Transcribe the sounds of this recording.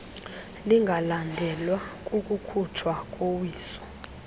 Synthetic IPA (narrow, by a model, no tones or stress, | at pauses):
liŋɡʱalandʱɛlwakʼukʼukʰut͡ʃʰwakʼowiːsɔ̥